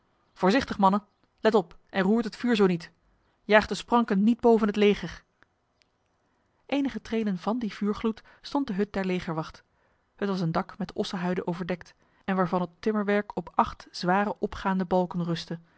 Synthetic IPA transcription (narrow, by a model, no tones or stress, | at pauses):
v̥ʊːɹzɪχtəχmɑnən | lɛtɔpʔɛnruːɹtɦətfyːɹzownit | jaːχdəsprɑŋkənːid̚bowvənɦətlejχəɹ | ʔejnəχətrejdənvɑndiv̥yːɹχlut | stɔnt̚dəɦɵt̚dɛɹlejχəɹʋɑχt | hətʋɑs̬əndɑkmɛtɔsəɦœɥdənʔowvəɹdɛkt | ɛnʋaːɹvɑnɦətɪməɹʋɛɹkʰɔpʔɑχtz̥ʋaːrəʔɔpχaːndəbɑlˠkənrɵstə